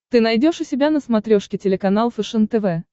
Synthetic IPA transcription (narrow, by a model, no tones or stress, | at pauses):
t̪ɨnɐjdʲo̞ʂʊsʲɪbʲanəsmɐt̪ɾʲoʂkʲɪtʲɪlʲɪkɐnalˠəfɨʂɨnt̪ɛvɛ